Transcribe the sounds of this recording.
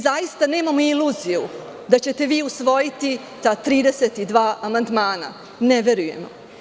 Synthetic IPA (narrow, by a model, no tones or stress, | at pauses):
zajist̪ane̞ːmamoiluːziju | d̪at͡ɕe̞t̪e̞ʋiːusʋo̞jit̪i | t̪aːt̪ɾiːd̪eset̪id̪ʋaːʔamand̪maːna̰ | neʋe̞ɾuje̞̰mo̰